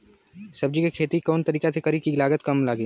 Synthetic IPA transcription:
sɐb̚d͡ʒikekʰeːt̪ikɔːnt̪ɐɾiːket̪ʰekɐɾikilaːɡət̪kɐmlaːɡiː

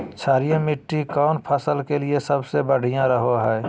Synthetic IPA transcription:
t͡ʃʰaːɾijãmɪʈːikɔːnpʰəsəlkeliesəbsebəɽ̤ʱijãɾəɦoɦɛː

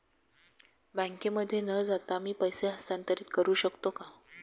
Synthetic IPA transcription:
baŋkeməd̪ʱːjenəd͡zat̪amiːpəjseɦəst̪jant̪əɾiːt̪kəɾuːɕəkt̪oka

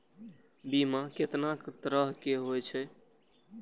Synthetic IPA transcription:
bimaket̪nakt̪əɾəɦkeɦojt͡ʃʰɛ

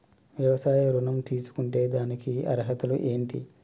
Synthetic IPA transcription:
ʋjɐʋɐsaːjɐɾunɐmt̪iːsu̥kuɳʈe̞ːd̪aːnikiɐ̰ɾɐɦɐt̪ulṵʔe̞ːɳʈḭ

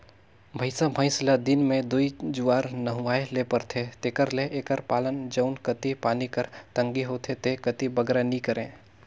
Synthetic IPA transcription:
bʱəɪsamʱə̃ɪ̃slad̪ɪnmẽd̪uid͡ʒuaːɾnəɦʊaːelepəɾt̪ʰet̪eːkəɾleʔeːkəɾpaːlənd͡ʒɐʊnkət̪ipaːnikəɾt̪ə̃ŋɡiɦoːt̪ʰet̪ekət̪ibəɡɾanikəɾẽː

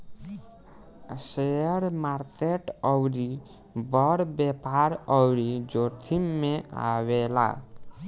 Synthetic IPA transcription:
seəɾmaɾkeʈɔwɾi | bɔɽbepaɾɔwɾid͡ʒot̪ʰimːẽa̰wela̰

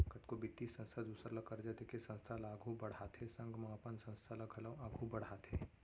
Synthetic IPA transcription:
kɐt̪kobɪt̪ːisɐ̃nst̪ʰad̪uːsɾlɐkəɾd͡ʒad̪ekesɐ̃nst̪ʰalaːɡʱubɐɽ̤at̪ʰɦesɐ̃ŋɡmaːpənsɐ̃nst̪ʰalɐɡʰʱɐlaːɡʱubɐɽ̤aːt̪ʰɦeː

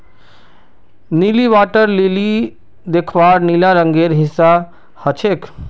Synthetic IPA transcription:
niːliʋaːʈəɾlili | d̪eːkʰʋaːɾniːlaɾəŋɡeːɾɦɪ̃sa | hət͡ʃʰeːk

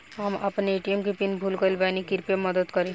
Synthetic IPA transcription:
ɦəmɐ̰pneeʈiemkipinbʱulkəlbanikiɾpeməd̪əd̪kəɾẽ

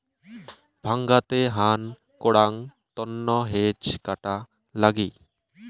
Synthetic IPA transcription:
bʱaŋɡat̪eɦan | koɽaŋt̪ɔnːɔɦet͡ɕkaʈa | laɡi

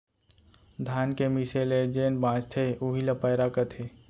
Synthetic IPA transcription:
d̪ʱaːnkemiseled͡ʒeːnbãːt͡ʃt̪ʰeuɦilapɐːɾakɐt̪ʰe

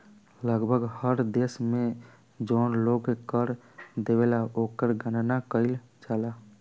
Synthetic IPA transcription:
ləɡbʱəɡhəɾd̪eːsmẽ | d͡ʒɔːnloːɡkəɾ | d̪ewelaoːkəɾɡʱənnakəɪl | t͡ʃaːla

